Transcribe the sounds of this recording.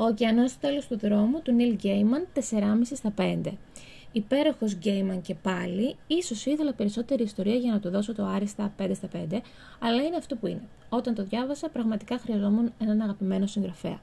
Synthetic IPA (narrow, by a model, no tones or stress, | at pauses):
o̞ciɐno̞st̪ot̪e̞lo̞st̪uðɾo̞mut̪unilɟejmɐnt̪e̞se̞ɾɐmisist̪ɐpe̞nd̪e̞ | ipe̞ɾo̞xo̞zɟejmɐnce̞pɐliiso̞siθelɐpe̞ɾiso̞t̪e̞ɾiːst̪o̞ɾiɐʝɐnɐt̪uðo̞so̞t̪o̞ɐɾist̪ɐpe̞nd̪est̪ɐpe̞nd̪e̞ | ɐlɐine̞ɐft̪opuine̞ | o̞t̪ɐnt̪o̞ðʝɐvɐsɐpɾɐɣmɐt̪i̥kɐxɾiɐzo̞mune̞nɐnɐɣɐpime̞no̞siŋɡɾɐfe̞̰ɐ̰